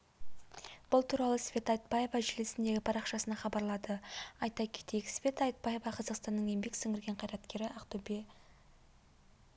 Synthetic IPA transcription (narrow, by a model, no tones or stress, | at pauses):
b̥ʊlˠt̪ʰuɾɑlˠəsfʲe̞t̪ɑjt̪̚pɑje̞vɑʒɪlesɪnd̪e̞ɡʲɪpʰɑɾɑqʃɑsənɑχɑbɑɾlˠɑd̪əɑjt̪ɑkʲʰe̥t̪e̞jksfʲe̞t̪ɑjt̪̚pɑje̞vɑqʰɑzɑqst̪ɑnːəɴje̞mbe̞ksɵŋʲɡʲɪɾɡʲe̞ɴqʰɑjɾɑt̪kʲe̞ɾɪɑqt̪ube